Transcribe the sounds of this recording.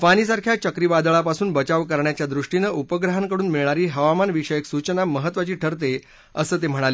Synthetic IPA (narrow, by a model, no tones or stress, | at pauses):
fañiːs̬aɾkʰjat͡ɕəkɾiʋad̪ɭapasuːnbət͡ɕaʋkəɾɳjat͡ɕjad̪ɾuʂʈinəʔupəɡɾəɦaŋkəɽuːnmiɭɳaɾiːɦəʋamanʋiʂəjeksut͡ɕnaməɦət̪ːʋat͡ɕiːʈʰəɾt̪̬e | əsəːt̪̬em̤əɽ̃ale